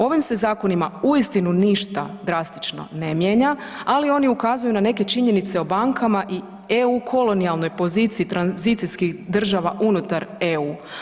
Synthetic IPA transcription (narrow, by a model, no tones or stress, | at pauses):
o̞ʋimse̞zaːko̞nimauist̪inuniʃt̪a̰d̪ɾast̪i̥t͡ʃno̰ne̞mjeɲa | alio̞niukazujunane̞ke̞t͡ʃiɲe̞nit̪se̞o̞baŋkʰamaʔi | eukʰo̞lo̞nialˠno̞jpo̞zit̪siːt̪ɾanzit̪siskiɣd̪r̩ʒaʋaʔunut̪aɾeuː